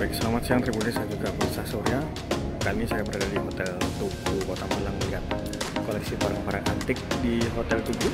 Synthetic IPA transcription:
bajk̚səlamat̪siaŋt̪ɾibunanisad͡ʒuɡapɔisasɔɾja | kamisajabəɾadadiɦot̪ɛlt̪ukukot̪aməlaŋməliɦat̪̚ | kolɛksipaɾaŋpaɾaʔat̪ɪk̚diɦot̪ɛlt̪uɡu

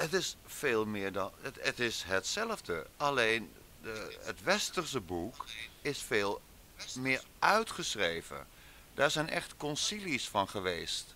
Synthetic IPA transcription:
ətɪsfeːlˠmɪːɹdɑnətɪsɦətsɛləvdəɑlejn | dəə̰tʋɛstəɹsəbukɪsfeːlˠ | mɪːɹʔœɥtχəsrejvə̰ | d̥aːɹzɛjnɛχtkɔnsilisfɑnχəʋḛjst

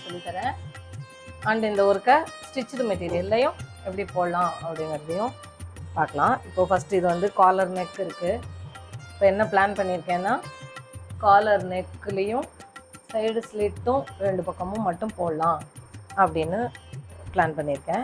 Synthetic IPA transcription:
sɔlːit̪ɐɾɛ̃ː | ɐɳɖɪnd̪ɐɔɾɯkːɐsʈɪt͡ʃːɪɾɯmɛʈːiːɾɪjɐlːɐjʊ̃ɛpːɐɽipoːɐlãːɐpːɐɽɪŋɡɐɾɐðɐjʊ̃ | paːɾkɐɭãːɪpːoːfɐsʈɯɪðɯʋɐnd̪ɯkaːlɐɾnɛkːɪɾɯkːɯ | ɪpːoːɛnːɐplaːnpɐɳːɪɾɯkːɛ̃ːnːaː | kaːlɐɾnɛkːɯlɐjʊ̃sɐɪɽsliːʈːʊ̃ɾɛɳɖɯpɐkːɐmʊ̃mɐʈːɯ̃mpoːɽɐlãːɐpːɐɽɪnːɯplaːnpɐɳːɪɾɯkːɛ̃

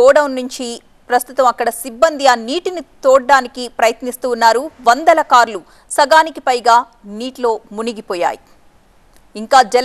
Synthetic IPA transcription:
ɔːɽɐwnːuɲt͡ʃi | pɾɐst̪ut̪ɐmɐkːɐɽɐsibːɐnd̪iaːniːʈinit̪oːɽːaːnikipɾɐjɐt̪nist̪uːnːaːɾuʋɐnd̪ɐlɐkaːɾlu | sɐɡaːnikipɐjɡaː | niːʈlo̞ːmuniɡipɔːja̰ːji | iŋkaːd͡ʒɛl

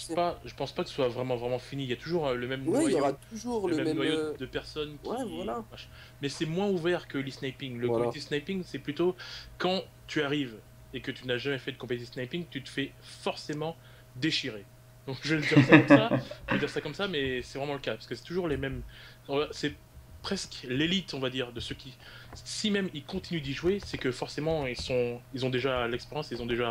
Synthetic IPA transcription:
paʒəpɑ̃spakəsə̥swavʁɛmɑ̃vʁɛmɑ̃finiiljat̪uʒuʁləmɛmnw̪iwajʁat̪uʒuʁləmɛmɛnwajod̪əpɛʁsɔnkʲiɛwalamaʁʃ | mɛsɛmwɛ̃uvɛʁkəlisnajpiŋləkɔ̃et̪isnajpiŋsɛplyt̪okɑ̃ | t̪yaʁiv | ekət̪ynaʒamɛfɛd̪əkɔ̃pet̪iisnajpiŋt̪yt̪ə̥fɛ | fɔʁsemɑ̃ | d̪eʃiʁe | d̪̥ɔ̃kʒəld̪iʁsakɔmaʒvəd̪iʁsakɔmsamɛsɛvʁɛmɑ̃ləkapaʁskəsɛ̥t̪uʒuʁlemɛm | ɔ̃vasɛ | pχɛsklelit̪ɔ̃vad̪iʁd̪əsøkʲʰi | simɛmilkɔ̃t̪inyd̪iʒwesɛkəfɔʁsemɑ̃ilsɔ̃ilzɔ̃d̪eʒalɛkspeʁjɑ̃seilzɔ̃d̪eʒa

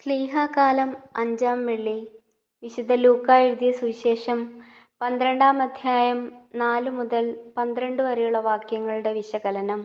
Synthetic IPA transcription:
sliːɦaːkaːlɐmɐɲd͡ʑaːmʋeɭːi | ʋiɕud̪ʱɐluːkːaːjiɾuðijɐsuɕe̞ːʂɐm | pɐnd̪ɾeɳɖaːmɐd̪ʱjaːjɐmnaːlumuðɐlpɐnd̪ɾeɳɖɨʋɐɾɐjuɭːɐʋaːkjɐŋːɐɭuɽe̞ʋiɕɐɡɐlɐnɐm

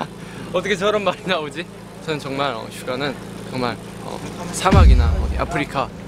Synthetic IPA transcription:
ʌt͈ʰʌkʰet͡ɕʌɾʌmːaɾinaod͡ʑi | t͡ɕʰʌnɯnt͡ɕʌŋmaɾʌ̰ɕʰuɡanɯn | t͡ɕʌŋmaɭ | ʌ̰sʰamaɡinaʌ̰dḭʔa̰pʰɯɾikʰa

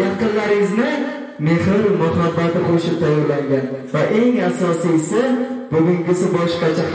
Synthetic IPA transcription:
jɑqɨnlaɾɪŋɪznɪ | me̞hɪɾmʊhabːat̪ɪoʃɪp̚t̪ʰajːɒɾlaŋɡʲanvaʔe̞ŋasɒsisɪbʊɡʲʊŋɡʲɪsɪbɒʃqɑt͡ʃʰa

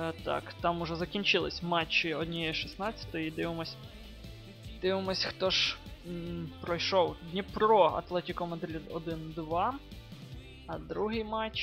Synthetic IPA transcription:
t̪ɑ̰kt̪ɑmʊʒɛzɐkʲinʲt͡ʃɪlˠɪsʲmɑt͡ʃːiɔd̪ʲnʲijɛʃisnɑt͡sʲːɐ̥t̪ɔjid̪ɪʋɪmɔsʲ | d̪̥ɪʋɪmɔsʲxt̪ɔʒ | pɾɔjʃɔwd̪ʲnʲipɾɔɐ̰t̪lˠɛtʲikɔmɐnd̪ɾʲid̪ɔd̪ɪnd̪ʋɑ | ɐd̪ɾuɦɪjmɑt͡ʃ

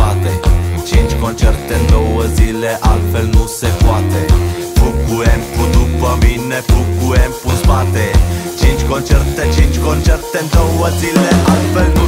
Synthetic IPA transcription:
at̪et͡ʃint͡ʃkont͡ʃɛrt̪end̪owəzileʔalfɛlnusepuat̪e | fukːuɛmpud̪upəminːefukːuɛmpusbat̪et͡ʃint͡ʃkont͡ʃɛrt̪et͡ʃint͡ʃkont͡ʃɛrt̪end̪owəzileʔalfɛln

